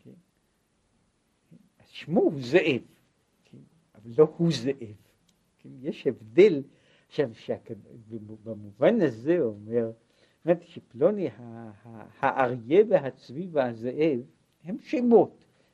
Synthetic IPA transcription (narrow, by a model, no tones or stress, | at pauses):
kʰen | ken | az̥ʃmohuzeʔev | kʰen | avalːohuzeʔev | kʰenjeʃhevd̪e̞l | ʃavʃeakabamuvanazeomeʁ | mat̪iʃeplonihahahaʔaʁjeveɦat͡svivazeʔev | hemʃemot̪